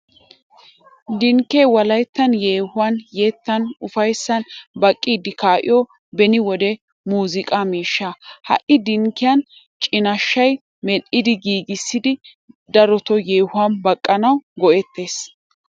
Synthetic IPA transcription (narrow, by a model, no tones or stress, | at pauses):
d̪ɪŋkːeːwɐlɐjt̪ːɐnje̞ːhʊwɐnjeːt̪ːɐnʊfɐjsːɐnbɐkʼːiːd̪ɪkaːʔɪ̰jɔ | bɛnɪwɔd̪ɛ | muːzɪkʼamiːʃːahɐ̰ʔɪd̪ɪŋkːɪjɐn | t͡ʃʼɪnɐʃːɐj | mɛɗɪd̪ɪɡiːɡɪsːɪd̪ɪ | d̪ɐɾɔt̪ɔjeːhʊanbɐkʼːɐnɐwɡɔʔɛt̪ːe̞ːs